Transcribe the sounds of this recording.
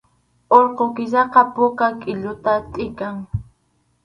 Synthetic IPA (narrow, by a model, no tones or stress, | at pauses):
oɾqokɪʃɑqɑpʊkakʼɪʎʊt̪at̪ʼɪkaŋ